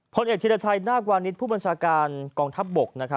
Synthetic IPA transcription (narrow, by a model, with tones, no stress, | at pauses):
pʰo˧nʔeː˨˩k̚t̪ʰi˧la˧t͡ɕʰa˧jnaː˥˩kwaː˧ni˦˥t̪̚pʰuː˥˩ba˧nt͡ɕʰaː˧kaː˧nkɔː˧ŋt̪ʰa˦˥p̚bo˨˩k̚na˦˥kʰa˦˥